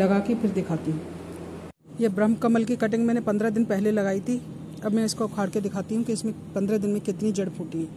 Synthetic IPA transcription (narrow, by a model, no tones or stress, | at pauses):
ɐɡaːkepʰɪɾd̪ɪkʰaːt̪iɦɛ̃ | jeːbɾɐmkɐməlkikɐʈ̬ɪ̃ŋɡmɛ̃ːnepɐnd̪ɾad̪ɪnpɛɦlelɐɡaːit̪ʰi | ɐbmɛ̃ɪskoʊkʰaːɽked̪ɪkʰaːt̪iɦũkiɪsmẽpɐ̃nd̪ɾad̪ɪnmẽkɪt̪nid͡ʒɐɽpʰuːʈiɛː